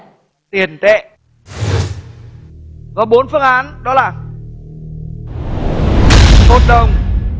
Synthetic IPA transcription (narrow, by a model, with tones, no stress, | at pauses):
t̪i˨˩ənt̪ɛ̰˧˨ | kɔ˨˦ɓo˨˦nfɨ˧əŋʔaː˨˦nɗɔ˨˦laː˨˩ | ho˨˩t̚ɗə˨˩wŋ͡m